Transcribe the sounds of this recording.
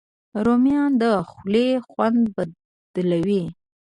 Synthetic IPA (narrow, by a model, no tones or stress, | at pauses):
ɾomjɑnd̪əxlexwand̪ba | d̪̥lawi